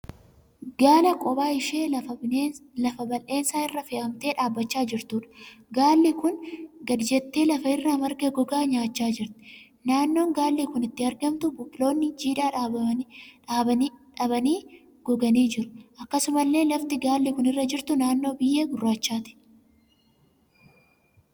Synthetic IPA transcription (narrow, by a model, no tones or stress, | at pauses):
ɡ̥aːlɐkʼɔbaːɪʃe̞ː | lɐfɐbɐlʔe̞ːnsaːɪrːɐfeːʔɐmt̪e̞ːᶑaːbːɐt͡ʃːaːd͡ʒɪɾt̪uːᶑɐ̥ɡaːlːikʊnɡɐd̪ɪd͡ʒɛt̪ːe̞ːlɐfɐɪrːɐmɐɾɡeɡɔɡaːɲaːt͡ʃːaːd͡ʒɪɾt̪ɪ̥ | naːnːo̞ːŋɡaːlːiːkʊnɪt̪ːɪɐɾɡɐmt̪ʊbʊkʼɪlo̞ːnːɪd͡ʒiːᶑaːᶑaːɐᶑaːbɐnᶑɐbɐniː | ɡ̥ɔɡɐniːd͡ʒɪɾʊ̥ʔɐkːɐsʊmɐlːe̞ːlɐft̪ɪɡaːlːikʊnɪrːɐd͡ʒɪɾt̪ʊnaːnːo̞ːbɪjːeːɡʊrːaːt͡ʃːaːt̪ɪ̥